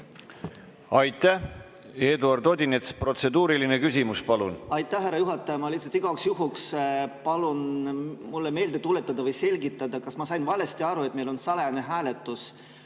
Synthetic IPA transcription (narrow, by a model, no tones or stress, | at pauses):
ɑjt̪ːˑæ | e̞ːd̪uɑrd̪od̪ʲinet̪spro̞t̪se̞d̪uːɾilinekysʲimuspɑlunɑjt̪ːˑæhɦærːɑjuɦɑt̪ːˑɑjɑmɑliht̪sɑ̥t̪iɡ̥ɑksjuɦukspɑlunmulːeme̞ːld̪̥e̞t̪ule̞t̪ˑːɑd̪ɑvɤjse̞lʲɡit̪ːˑɑd̪ɑkɑsmɑsɑjnvɑle̞st̪iɑɾue̞t̪̚me̞jlo̞nsɑlene̞ɦæːle̞t̪ːˑus